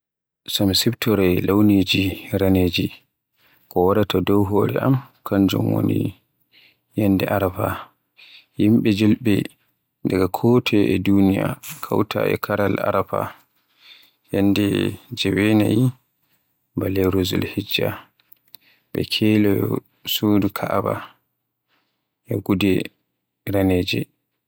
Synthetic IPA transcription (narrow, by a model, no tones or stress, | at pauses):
samsiptɔɾɛlawned͡ʒiɾaned͡ʒi | kɔwaɗatʰadɔwɦoːɾɛamkaɲd͡ʒɔ̰mwo̰ni | jɛnːdɛʔaɾapa | jimɓɛd͡ʒɔlɓɛ | daɡakʰɔːtʰɛɛdunija̰kʰawtʰa̰ʔɛ̰kʰaɾala̰ɾapa | jɛndɛd͡ʒɛwɛnaji | balɛɾozɔlhid͡ʒːa | ɓɛ̰kʰɛlajɔ | sudikʰaʔaba | jaɡudɛ | ɾaneːd͡ʒɛ